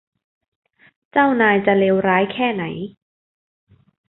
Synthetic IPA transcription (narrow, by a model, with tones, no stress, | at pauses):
t͡ɕa˥˩wnaː˧jt͡ɕa˨˩leː˧wɾaː˦˥jkʰɛː˥˩na̰˩˦j